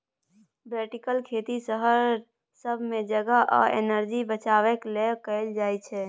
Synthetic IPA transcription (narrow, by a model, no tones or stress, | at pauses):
beʈikəlkʰet̪isəɦəɾ | səbʱmed͡ʒəɡaʔɔ̰ḛnəɾd͡ʒibət͡ʃawɛklekəld͡ʒajt͡ʃʰɛ